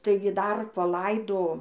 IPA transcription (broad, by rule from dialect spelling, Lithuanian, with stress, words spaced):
ˈtɐɪɡʲɪ dɐr pɐˈlˠɐɪdoː